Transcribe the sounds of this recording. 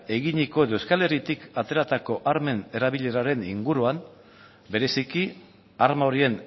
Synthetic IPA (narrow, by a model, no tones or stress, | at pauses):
e̞ɣiɲiko̞e̞ðowskale̞rit̪ikat̪e̞ɾat̪ako̞ʔaɾme̞ne̞ɾaβiʎe̞ɾaɾe̞niŋɡuɾuam | be̞ɾe̞siki | aɾmaoɾie̞n